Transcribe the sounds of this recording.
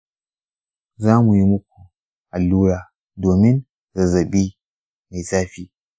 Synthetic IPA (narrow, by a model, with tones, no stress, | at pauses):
zaː˦mu˨ji˦mʊ˦k̚ʷu˨ | ʔa˨lːuː˦ɽaː˨ | doː˨mɪ˦n | zɐ˨zɐ˨ɓiː˦ | ma˨jsaː˦ɸiː˦